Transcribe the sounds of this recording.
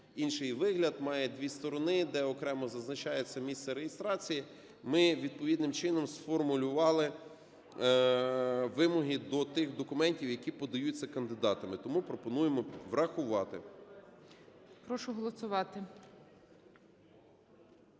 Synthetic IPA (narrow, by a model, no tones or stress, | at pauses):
inʃɪjʋɪɦlʲɐd̪mɑjɛd̪ʲʋʲist̪ɔɾɔnɪd̪ɛɔkɾɛmɔzɐznɐt͡ʃɑjet͡sʲːɐmʲissɛɾejɪst̪ɾɑt͡sʲiji | mɪʋʲid̪̚pɔʋʲid̪nɪmt͡ʃɪnɔmsfɔrmʊlʲʊʋɑlˠɪ | ʋɪmɔɦid̪ɔt̪ɪxd̪ɔkʊmɛnʲtʲiwjɐkʲipɔd̪ɐjut͡sʲːɐkɐnd̪ɪd̪ɑt̪ɐmɪt̪ɔmupɾɔpɔnujemɔʋrɐxʊʋɑt̪ɪ | pɾɔʃʊɦɔlˠɔsʊʋɑt̪ɪ